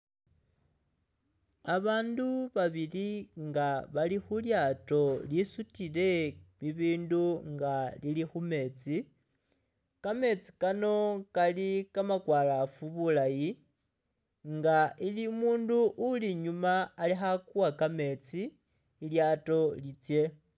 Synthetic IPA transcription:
aβaːnduβaβiliŋɡaβalixuljato̞lisutile̞βiβiːnduŋɡalilixume̞ːt͡si | kame̞t͡si̥kano̞kalikamakwaːlafuβulaji | ŋɡaʔilimuːnduʔːliɲumaːlixakuwakame̞t͡siː | ljato̞lit͡sje̞

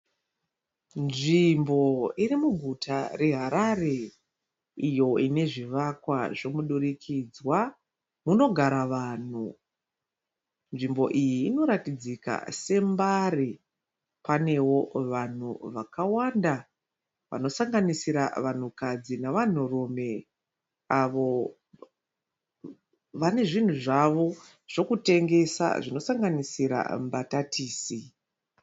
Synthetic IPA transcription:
nʐimbo̞irimuɡʱutʰare̞ɦaɾare̞ | ijo̞ine̞ʐiʋakwaʐo̞muɗuɾikʰid͡zwa | muno̞ɡʱaɾaʋaːn̤u | nʐimbo̞ʔijiːno̞ɾatid͡zika̰se̞mbari | pane̞wo̞ʋan̤ṵʋakawanda | ʋa̰no̞saŋɡanisiɾa̰ʋan̤ukad͡zinaʋan̤urome̞ | aʋo̞ | ʋane̞ʐin̤uʐaʋo̞ | ʐ̥o̞kute̞ŋɡe̞sa̰ʐino̞saŋɡanisiɾa̰mbatatʰiːsi

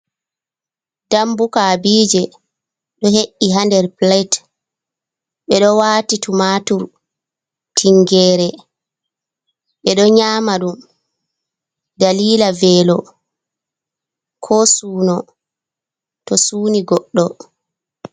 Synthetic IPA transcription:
d̥ambukabiːd͡ʒɛ | ɗɔheʔːiɦandɛɾplajt | ɓɛɗɔwaːtitumaːtuɾ | tʰiŋɡɛːɾɛ | ɓɛɗɔɲaːmaɗum | daliːlavɛːlɔ | kʰɔsuːnɔ | tɔsuːniɡɔɗːɔ

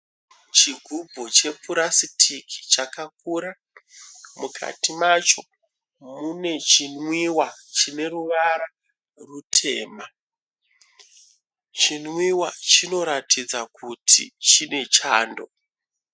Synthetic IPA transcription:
t͡ʃiɡʱubʱot͡ʃe̞fuɾasitʰikʰi̥t͡ʃakakuɾa | mukʰa̰timat͡ʃo̞ | mune̞t͡ʃinwiwat͡ʃine̞ruʋaɾa | rutʰe̞ːma | t͡ʃinwiwat͡ʃino̞ɾatid͡zakutʰḭt͡ʃine̞t͡ʃaːndo̞̰

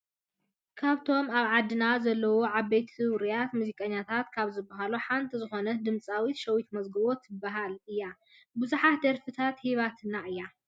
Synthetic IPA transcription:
kʰaβt̪ʰo̞maβʕad̪ɨnazɐlːɐwoʕaβbejt̪ɨwɾijat̪muzikʼɐɲːat̪ʰat̪kʰaβzɨbːɐɦaluħant̪ʰizɨxo̞nɐd̪ɨmt͡sʼawit̪ʃɐwit̪mɐzɡɐβot̪ɨbːaɦalɨjːa | buzuħat̪d̪ɐɾfɨt̪ʰat̪hiβat̪ʰɨnːaɨjːa

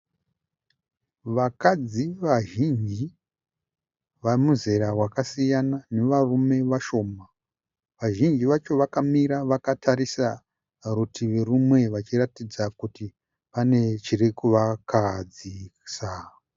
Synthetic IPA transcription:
ʋakad͡ziʋaʒind͡ʒi | ʋamuze̞ɾawakasijanane̞ʋarume̞ʋaʃo̞ːma | ʋaʒind͡ʒiʋat͡ʃo̞ʋakamiɾaʋakatʰaɾisa | rutʰiʋe̞rumwe̞ʋat͡ʃiratid͡zakuti | pane̞t͡ʃirikuʋakad͡zisa

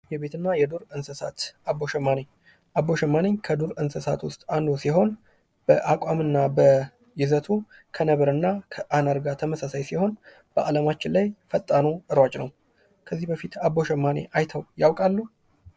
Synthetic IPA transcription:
jɛbe̞t̪ɨnːajɛd̪uɾɨnsɨsa̰t̪abo̞ʃɛmːaneɲ | ʔabːo̞ʃɛmːaneɲkʰəd̪uɾɨnsəsa̰t̪wʊst̪ʼand̪osiɦo̞n | b̥əʔakʼamɨnːabə | jɪzət̪ʰu | kʰənəβəɾɨnːakʰəʔanaɾɡat̪ʰəməsasajsiho̞n | b̥əʔaləmat͡ʃːɪnlajfət̪ʼːanuɨɾwat͡ʃʼnəw | kʰəzːihbəfit̪abo̞ʃɛmːanḛʔajt̪ʰəwjawkʼalːu

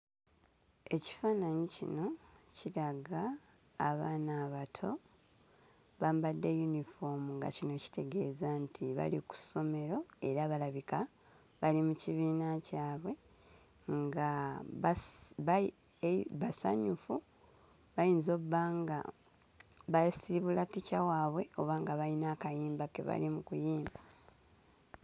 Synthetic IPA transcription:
e̞ci̥faːnaɲicḭno̞ciɾaɡaː | βaːnaːβatʰo̞ | βaːmbadːe̞junifo̞muŋɡa̰cino̞ci̥te̞ɡe̞ːzantʰiβa̰liku̥so̞me̞ɾo̞e̞ɾaβalaβika | βalimuciβiːnacaːβwe̞ | ŋɡa | βasa̰ɲufu | βajiːnzo̞ːβːaːŋɡa̰ | βasiβulaticawaːβwe̞o̞βaːŋɡaβainaːkajiːmbakḛβa̰limukujiːmba

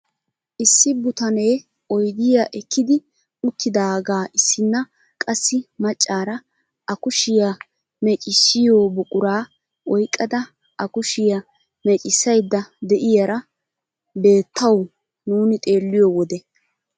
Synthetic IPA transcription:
ʔɪsːɪbʊt̪ɐne̞ː | ɔjɡ̪ɪjaʔɛkʰːɪd̪ɪ | ʊt̪ʰːɪd̪aːɡaːʔɪsːɪnːɐ | kʼɐsːɪmɐt͡ʃʼːaːɾɐ | ɐkʊʃɪjɐ | mɛt͡ʃʼɪsːɪjoːbʊkʼʊɾaː | ɔjkʼːɐd̪ɐ | ʔɐkʊʃɪjɐ | mɛt͡ʃʼɪsːɐjd̪ːɐd̪ɛʔɪjɐɾɐ | be̞ːt̪ʰːɐw | nuːnɪt̪ʼe̞ːlːɪjɔwɔd̪ɛ

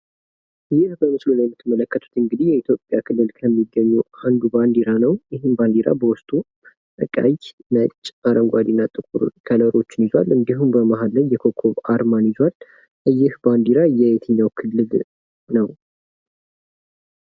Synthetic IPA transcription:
ʔɨjːɪhbəmɨslulajɛmːɨt̪ʰːɨmːələkːət̪ʰu̥t̪ɨŋɡɨd̪ihjɛit̪ʰjo̞pʼːjakʰɨlːɨlkʰəmːiɡːəɲːuand̪uband̪iɾanəwjɪhɨmband̪iɾa̰bəwʊst̪ʼu | ɨkʼa̰jnət͡ʃʼːaɾəŋɡʷad̪inːat̪ʼɨkʼṵɾkʰələɾo̞t͡ʃːɪnizwa̰lɨnd̪iɦumbəmaɦalːəjːɛkʰo̞kʰːo̞βaɾmanizwal | ʔɨjːɪhband̪iɾajːɛjet̪ʰəɲːawkʰɨlːɨl | nəw

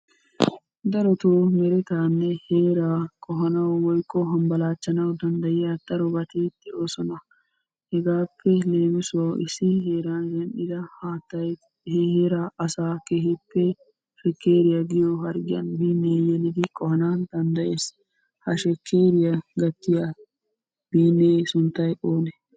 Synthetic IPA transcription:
d̪ɐɾɔt̪oːmɛɾɪt̪aːnːɛheːɾaːkʼɔɦɐnɐwwɔjkʼːɔɦɐmbɐlaːt͡ʃːɐnɐwd̪ɐnd̪ɐjɪjɐd̪̥ɐɾɔbɐt̪eːt̪ːɪoːsɔnɐ | hɛɡaːpːɛle̞ːmɪsʊwawʔɪsːɪɦeːɾaːnd̪ɛnɗɪd̪ɐhaːt̪ːɐj | hheːɾaːʔɐsaːkeɦɪpːɛ | ʃɛkːeːɾɪjɐɡɪjoɦɐɾɡɪjɐ̰nbiːnːeːjɛlɪd̪ɪkʼɔhɐnaːnd̪̥ɐnd̪ɐʔe̞ːs | hɐʃɛkːeːɾɪjɐɡɐt̪ːɪjɐ | b̥iːnːeːsʊnt̪ːɐjʔoːnɛ

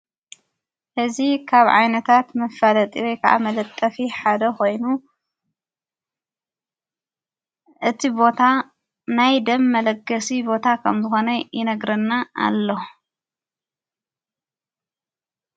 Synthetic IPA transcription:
ʔɨzikʰaβʕa̰jnɐt̪ʰat̪mɐfalɐt̪ʼiɾojkʰɐʔa̰mɐlɐt̪ʼːɐfiħad̪ɐko̞jnu | ʔɨt̪ʰibo̞t̪ʰa | najd̪ɐmːɐlɐɡɐsibo̞t̪ʰakʰɐmzɨxo̞nɐjɪnɐɡɾɐnːaʔa̰lːo

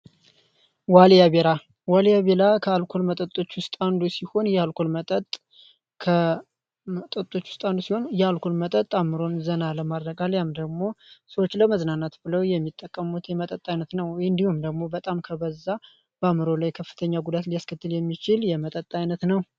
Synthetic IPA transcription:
waljaβeɾa | waljaβelakʰəalkʰo̞lmət̪ʼət̪ʼːo̞t͡ʃːwʊst̪ʼand̪usiho̞njɛalkʰo̞lmət̪ʼət̪ʼ | kʰə | mət̪ʼət̪ʼːo̞t͡ʃːwʊ̥st̪ʼand̪usiho̞njɛalkʰo̞lmət̪ʼət̪ʼamːɨɾo̞nzənaləmad̪ɾəɡaljamd̪əɡmo̞səwot͡ʃːləməznanat̪bɨləwjɛmːit̪ʼːəkʼːəmut̪jɛmət̪ʼət̪ʼːajnət̪nəwwɔjɨnd̪ihumd̪əɡmo̞bət̪ʼamkʰəβəzːa | b̥əamɨɾo̞lajkʰəfːɨ̥t̪ʰəɲːaɡud̪at̪lijaskʰət̪ːɨljɛmːit͡ʃɪljɛmət̪ʼət̪ʼːajnət̪nəw

